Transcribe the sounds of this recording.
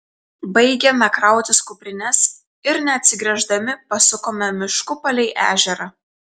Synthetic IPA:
bɐɪɡʲɛmʲɛkɾɑˑʊt̪ʲɪskʊpʲɾʲɪnʲɛs | ɪɾnʲɛɐt̪ʲsʲɪɡɾʲɛʒd̪ɐmʲɪpɐsʊkoːmʲɛmʲɪʃkʊpɐlʲɛɪʔæ̰ːʒʲɛɾɐ

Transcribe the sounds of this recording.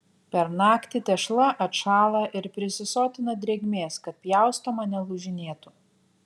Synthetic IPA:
pʲɛɾnɑːkt̪ʲɪt̪ʲɛʃlˠɐʔɐt̪ʃɑːlˠɐʔɪɾpʲɾʲɪsʲɪsoːt̪ʲɪnɐd̪ʲɾʲeːɡʲmʲeːskɐt̪̚pʲjæˑʊst̪omɐnʲɛlˠʊʒʲɪnʲeːt̪ʊ

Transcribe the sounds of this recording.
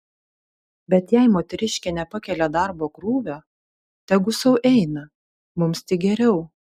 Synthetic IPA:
bʲɛt̪jɛɪmoːt̪ʲɛɾʲɪʃʲkʲɛnʲɛpɐkʲɛlʲɛd̪ɐɾboːkɾuːʋʲoː | t̪ʲɛɡʊsɐʊʔɛɪnɐ | mʊmst̪ʲɪɡʲɛɾʲɛʊ

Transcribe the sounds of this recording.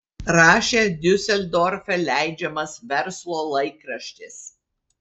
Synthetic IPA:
ɾɑːʃʲeːd̪ʲɵsʲɛlʲd̪ɔɾʲfʲɛlʲæˑɪd͡ʒʲɛmɐsʋʲɛɾslˠoːlˠɐɪkɾɐʃʲt̪ʲɪs

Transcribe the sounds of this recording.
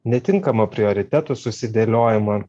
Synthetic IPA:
nʲɛt̪ʲɪŋkɐmɐpʲɾʲɪɔɾʲɪt̪ʲæt̪usʊsʲɪd̪ʲeːlʲoːjɪmɐ

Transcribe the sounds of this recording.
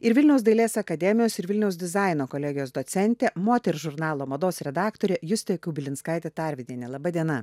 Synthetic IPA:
ɪɾʋʲɪlʲnʲɛʊsd̪ɐɪlʲeːsɐkɐd̪ʲɛmʲɪjoːsɪɾʋʲɪlʲnʲɛʊsd̪ʲɪzɑˑɪnoːkolʲɛːɡʲɪjoːsd̪oːt̪sʲɛnʲt̪ʲeːmoːt̪ʲɛɾʒʊɾnɑːlˠoːmɐd̪oːsɾʲɛd̪ɑːkt̪oːɾʲeːjʊsʲt̪ʲekʊbʲɪlʲɪnskɐɪt̪ʲeːt̪ɐˑɾʲʋʲɪd̪ʲiːnʲɛlˠɐbɐd̪ʲiɛnɐ

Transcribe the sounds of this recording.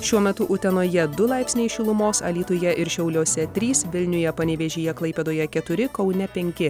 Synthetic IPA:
ʃʲuɔmʲɛt̪ʊʔʊt̪ʲɛnoːjɛd̪ʊlˠɑɪpʲsʲnʲeɪʃʲʊlˠʊmoːsɐ̰lʲiːt̪ʊjɛʔɪɾʃʲɛʊlʲoːsʲɛt̪ʲɾʲiːsʋʲɪlʲnʲʊjɛpɐnʲɛʋʲeʒʲijɛklˠɐɪpʲeːd̪oːjɛkʲɛt̪ʊɾʲɪkɒʊnʲɛpʲɛŋʲkʲɪ

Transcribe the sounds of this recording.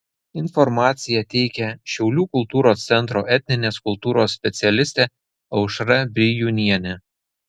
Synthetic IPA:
ɪnfɔɾmɑːt̪sʲɪjɛt̪ʲɛɪkʲɛʃʲɛʊlʲuːkʊlˠt̪uːɾoːst̪sʲɛnˑt̪ɾoːʔɛt̪ʲnʲɪnʲeːskʊlˠt̪uːɾoːsːʲpʲɛt̪sʲɪɛlʲɪsʲt̪ʲeː | ɐʊʃɾɐbʲɪjunʲiɛnʲɛ

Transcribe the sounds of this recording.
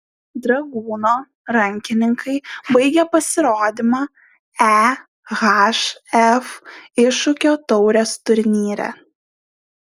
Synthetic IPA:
d̪ɾɐɡuːnoː | ɾɐŋʲkʲɪnʲɪŋkʰɐɪbɐɪɡʲɛpɐsʲɪɾoːd̪ʲɪmɑː | æ | ɣɑʃɛfɪʃʊkʲoːt̪ɒʊɾʲɛst̪ʊɾʲnʲiːɾʲɛ̰

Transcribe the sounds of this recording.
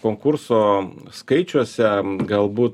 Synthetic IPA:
koːŋkʊɾssoːskɐɪt͡ʃʲuɔsʲɛɡɐlˠbuːt̪

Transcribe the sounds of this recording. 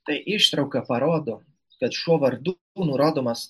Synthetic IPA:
t̪ɐɪʔɪʃt̪ɾɐʊkɐpɐɾoːd̪o | kɐt̪ʃuɔʋɐɾd̪ | uːnʊɾoːd̪oːmɐs

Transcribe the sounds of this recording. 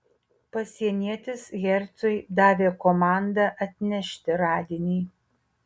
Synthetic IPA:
pɐsʲiɛnʲiɛt̪ʲɪsɣʲɛɾʲt̪sʊɪd̪ɑːʋʲeːkomɑˑnd̪ɐʔɐt̪ʲnʲɛʃʲt̪ʲɪɾɑːd̪ʲɪnʲiː

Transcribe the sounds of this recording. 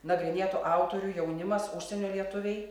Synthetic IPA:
nɐɡɾʲɪnʲeːt̪uʔɑʊt̪oːɾʲuːjɛʊnʲɪmɐsʊʃʲsʲɛnʲoːlʲiɛt̪ʊʋʲɛɪ

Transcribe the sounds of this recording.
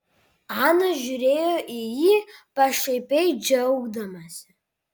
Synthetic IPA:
ʕanaʒuɾejoʔijipʼaʂejpʼejd͡ʒawɡdamaz̥

